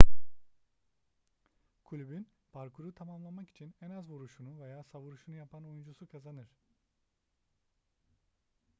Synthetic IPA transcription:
kʰulʲybyn | b̥aɾkʰuɾut̪ʰamamlˠamaki̥t͡ʃʰinɛnazvuɾuʃunuvejaːsavuɾuʃunujapʰano̞jund͡ʒusukʰazanɯɾ̝̥

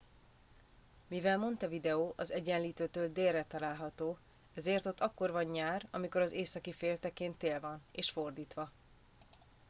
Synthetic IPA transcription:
mivɛlmo̞nt̪ɒvid̪ɛoːʔɒzɛɟɛnliːt̪øːt̪øːld̪eːrːɛt̪ɒlaːlɦɒt̪oː | ɛzeːrt̪o̞t̪ːɒkːo̞rvɒɲːaːrɒ̰miko̞ɾɒzeːsɒkifeːlt̪ɛkeːnt̪ːeːlvɒneːʃfo̞rd̪iːt̪ʋɒ

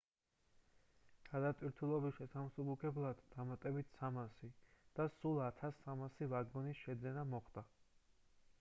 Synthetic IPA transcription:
ɡ̥ad̪at̪ʼwiɾt̪ʰulˠɔbiʃɛsamsubukʰʼɛblˠad̪ːamat̪ʼɛbit̪ʰsamasid̪̥asulˠat̪ʰasːamasivaɡɔnisʃɛd̪zɛnamɔχd̪̥a

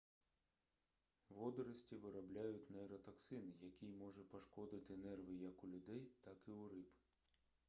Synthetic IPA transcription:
ʋɔd̪ɔɾɐsʲtʲiʋɪɾɐblʲajʊtʲnɛɾɐt̪ɐksɪnɪjɐkʲijmɔʒɛpɔʃkɔd̪ɪt̪ɪnɛrʋɪjɐkʊlʲʊd̪ɛjt̪ɑkɪʊɾɪbɪ̥

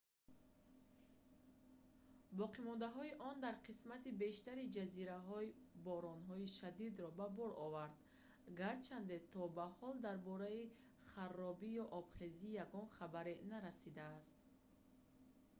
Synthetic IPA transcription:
bɔqimɔnd̪aɦɔiʔɔnd̪aɾqʰismat̪ibe̞ʃt̪aɾid͡ʒaziɾaɦɔibɔɾɔnɦɔiʃad̪id̪ɾɔbabɔɾɔvaɾd̪ | ɡaɾt͡ʃʰand̪et̪ʰɔbahɔld̪aɾbɔɾai | χarːɔbijɔʔɔbχeziːjaɡɔnχabaɾenaɾasid̪aːst̪

